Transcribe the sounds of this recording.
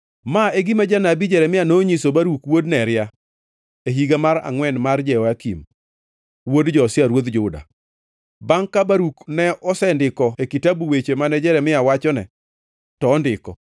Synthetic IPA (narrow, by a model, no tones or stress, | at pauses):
maeɡimad͡ʒanabid͡ʒɛɾɛmɪanoɲisobaɾukwodnɛɾɪja | eɦiɡamaɾa̰ŋwɛnmard͡ʒɛwakḭm | wodd͡ʒɔːsɪaɾwod̪d͡ʒʊda̰ | baŋkabaɾuknɛɔsɛndɪkɔekitabuwet͡ʃemanɛd͡ʒɛɾɛmɪawat͡ʃɔnɛ̰ | tɔːndɪkɔ